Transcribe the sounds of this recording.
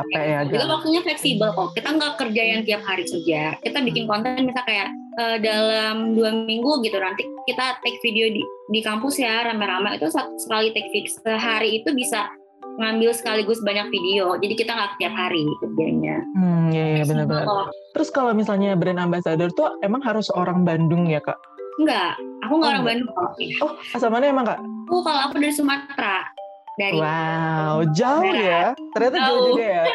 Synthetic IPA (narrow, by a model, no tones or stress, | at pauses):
apajaɡt̪awak̚t̪uɲaflɛksibəlkɔhkit̪aŋɡakərd͡ʒajaŋt̪iap̚haɾisəd͡ʒakit̪abikɪnkɔnt̪ɛɛnmisalkajaʔ | ədalamduamiŋɡuɡit̪unant̪ikit̪at̪ɛk̚fideodidikampʊsjaɾampaɾamaḭt̪usat̪səkalit̪ɛk̚fiəɦaɾiːt̪ubisa | əŋambɪlsə̥kaliɡʊsbaɲak̚fidiod͡ʒadikit̪aŋɡakə̥t̪iap̚haɾikət̚iaɲa̰m̩jajabənərbənət̪əɾʊskalawmisalɲabɾɛnambasadərt̪uemaŋɦaɾʊsoɾaŋbandʊŋjaka̰ʔ | ŋɡaʔakuŋɡaoɾaŋbandʊŋŋjɔhasalmanaemaŋkaʔakukaloakudaɾisumat̪ɾa | daɾiwawd͡ʒaʊjat̪ərɲat̪aaʊɡaja